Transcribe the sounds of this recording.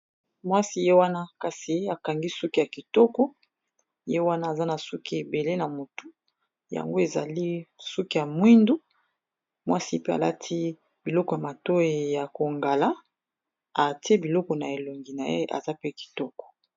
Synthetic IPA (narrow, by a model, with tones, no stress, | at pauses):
mwa˦si˦je˦wa˦na˦ka˨si˨˦a˨ka˨ŋɡi˦su˦ki˦ja˨ki˨tɔ˦kɔ˦ | je˦wa˦naː˦˨za˦na˨su˦ki˦e˨be˨le˦na˨mo˨tu˦ | ja̰˨ŋɡo˦e˨za̰˨li˦su˦ki˦ja˨mwi˦ndu˦ | mwa˦si˦pe˦a̰˨la̰˦tʰi˦ | b̥i˨lɔ˦kɔ˨ja˨ma˨to˦i˨ja˨ko˨ŋɡa˨la˦ | a˨ti˦e˦bi˨lɔ˦kɔ˨na˨e˨lo˨ŋɡi˨na˨jḛ˦ʔa̰˨za˦pe˦ki̥˨tɔ˦kɔ̥˨